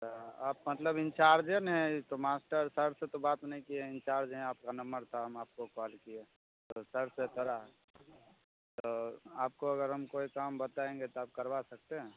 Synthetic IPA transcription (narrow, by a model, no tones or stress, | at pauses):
aaːp̚mət̪ləbɪnt͡ʃaːɾd͡ʒenɦɛ̃t̪omaːsʈəɾsəɾset̪obaːt̪nɐɦĩkiɛ̃ɪ̃nt͡ʃaːɾd͡ʒɦɛ̃aːp̚kanɐmbəɾt̪ʰaɦɐmaːp̚kokɔːlkie | t̪osəɾset̪ʰoɾaɦɛ | t̪oaːp̚koɐɡəɾɦɐmkoːikaːmbət̪aẽŋɡet̪oaːp̚kəɾʋasɐk̚t̪eɦɛ̃